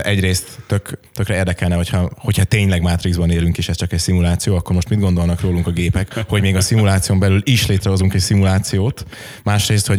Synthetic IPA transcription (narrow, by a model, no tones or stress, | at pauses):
ʔɛɟreːst̪ːøkt̪økrɛeːrd̪ɛkɛlnɛɦocʰhɒho̞chɒt̪eːɲlɛɡmaːt̪riɡzbɒneːlyŋkeːʃɛst͡ʃɒkɛcsimulaːt̪sijoːɒkːo̞rmo̞ʃt̪mid̪ɡo̞nd̪olnɒkroːluŋkɒɡeːpɛkho̞ɟmeːɡɒsimulaːt̪sijombɛlyliʃleːt̪rɛɦo̞zuŋkɛcsimulaːt̪sijoːt̪ | maːʃreːst̪ho̞